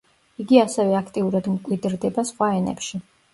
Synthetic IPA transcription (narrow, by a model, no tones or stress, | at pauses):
iɡiasɛvɛakʰt̪ʼiuɾad̪mkʼwid̪ɾd̪ɛbasχwaɛnɛ̰pʃi